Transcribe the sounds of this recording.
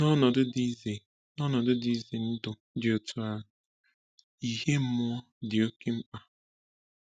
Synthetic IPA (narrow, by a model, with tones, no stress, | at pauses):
nɔ˦nɔ˨dʊ˦di˦ze˨ | nɔ˦nɔ˨dʊ˦di˦ze˨n̩˦dʊ˨ | dɪ˨o˨tʰu˨a˦˨ | i˨ɦe˦m̩˦mʊ˦ɔ˦ | dɪ˨o˦ke˦m̩˦k͡pa˨